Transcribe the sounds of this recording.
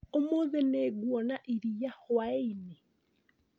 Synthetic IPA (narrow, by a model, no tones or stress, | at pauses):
omoðeneːɡwɔnaʔiɾijahowaine